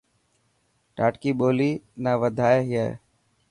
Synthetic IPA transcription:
ʈaːʈkiːɓoːliːnaːʋəd̪ʱaːeɦjḛː

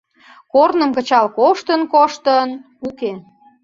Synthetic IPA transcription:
kornəmkə̆t͡ɕɑlkoʃt̪ənkoʃt̪ən | uke

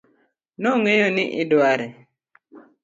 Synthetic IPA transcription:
noŋejonɪʔɪdwaɾɛ

